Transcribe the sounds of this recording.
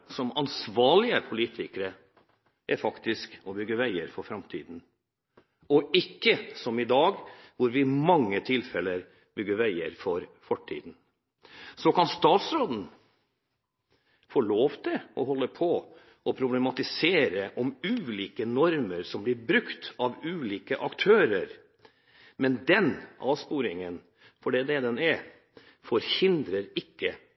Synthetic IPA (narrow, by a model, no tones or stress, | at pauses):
sɔmɑnsʋɑːɭɪəpʰʊliːt̪ʰɪkəɾə | ʔæɾfɑkt̪ɪskɔbʏɡːəʋæɪəɾfɔɾfɾɑmt̪ʰḭːd̪n̩ | ɔɪkːəsɔmɪd̪ɑːɡʋʊɾʋɪmɑŋːət̪ʰɪlfɛləɾ | bʏɡːəɾʋæɪə̰ɾfɔɾfɔʈʰːḭːd̪n̩ | sɔkɑnst̪ɑːt̪sɾoːd̪n̩ | foːɭoːʋt̪ʰɪʔɔɦɔlːəpʰɔ | ʔɔpʰɾʊblɛmɑt̪ɪseːɾəʔɔmʉːliːkənɔɾməɾsɔmblɪɾbɾʉkt̪ɑʋʉːliːkəʔɑkt̪ʰøːɾəɾ | mɛnd̪ɛnɑ̰ːʋspuːɾɪŋən | fɔɖɛːd̪ɛd̪ɛnæɾ | fɔɾhɪnd̪ɾəɾɪkːə